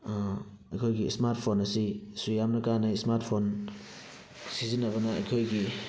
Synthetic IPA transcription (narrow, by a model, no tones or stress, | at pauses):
ɐ̰jkʰojɡismaɾt̚pʰonɐsisujamnakanajsmaɾtpʰon | sizinɐβana̰ːjkʰojɡi